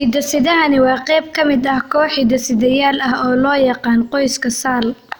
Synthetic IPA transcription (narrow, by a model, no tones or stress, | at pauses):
id̪ɐsɪðɐɦɐnɪwɑːqɛjb̚kʰɐmɪd̪ɐhkʰɔːħid̪ɐsɪðɐjaːlɐɦɔːlɔːjɑqɑːnqɔjskʰɐsaːl